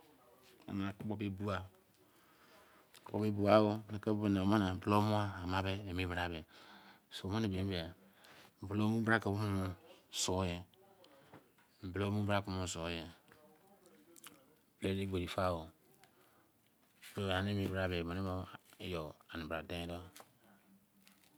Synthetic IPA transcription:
a̰˨na˨kbo˦be˦bu˦a˦ | bo˦be˦bu˨a˦o˦ne˨ke˦o˦n˨ma˦na˨blo˦mu˦aː˦˨ma˦be˦e˨mi˦bɾa˨be˨ | so˨ma˦ni˨be˨m˦be˨a˨ | m̩˨blo˦mu˦bɾa˦ka˨bu˦mu˦mo˦so˨˦je˦ | m̩˨blo˦mu˦bɾa˦ku˦mo˨so˨˦je˨ | blo˦le˦bo˨ɾi˨fa˦˨wo˨ | bo˦˨a˨n˦e˦mi˨˦bɾa˨be˨mo˨ni˦mo˦e˦jo˨a˨ni˨bɾa˨dẽ˦do˦

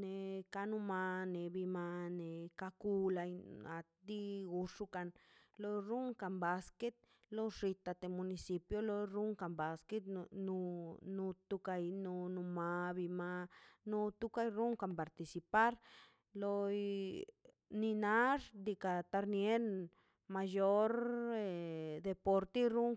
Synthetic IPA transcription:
ne˨˧ka˧nu˧ma˧ne˨bi˧ma˧ne˨ka˧ku˧la˧ja˨˧t̪̚d̪i˧ɡu˧ʂu˧ka˧nlo˧jɾu˦ŋka˨mba˧ske˦t̪̚ | lo˦ʂi˧t̪a˧t̪e˨mu˧ni˧si˧pjo˦lo˧ɾu˦ŋka˨mba˨ske˦t̪nu˧nu˧t̪u˧ka˧jnu˧nu˧ma˧bi˧ma˧nu˧t̪u˧ka˦˧jɾu˦ŋka˧mpa˨ɾt̪i˧si˧pa˦ɾ | lo˧j | ni˧na˦ʐd̪i˧ka˧t̪a˧ɾnje˦ɾ | ma˧jo˦ɾe˧d̪e˧po˧ɾt̪e˦ɾu˦ŋ

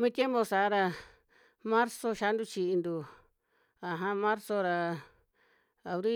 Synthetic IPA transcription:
mĩ˦˧t̪ʲje˦mbo˧sa˨˦ɾa˧ | mã˦ɾso˧ʃa˧˦nd̪u˦˧t͡ʃi˧ʔi˧nd̪u˧ | a˨ɦã˧mã˦ɾso˧ɾa˧ | a˨βɾi˦

